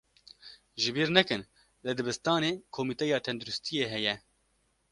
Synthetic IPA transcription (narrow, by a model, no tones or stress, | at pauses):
ʒɪbiːɾnɛkɨn | lɨd̪ɨbɨst̪ɑːneːkʰomiːt̪ɛjɑːt̪ʰɛnd̪uɾust̪ijeːɦɛjɛ